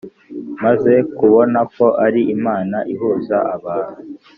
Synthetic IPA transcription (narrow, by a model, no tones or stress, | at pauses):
maze̞kuβo̞nako̞ʔaɾiʔimaːnaʔiɦuːzaʔaβaːnu